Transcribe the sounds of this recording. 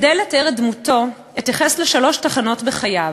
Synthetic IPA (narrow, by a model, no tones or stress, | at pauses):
dejletaeʁedmuto̞ | etjaχesleʃalo̞ʃtaχano̞tbeχajav